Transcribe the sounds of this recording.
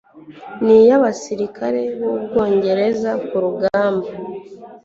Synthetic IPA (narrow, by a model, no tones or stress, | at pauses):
nijaβasiɾikaɾe̞βoβɡo̞ːɲɟe̞ɾe̞zakuɾuɡaːmba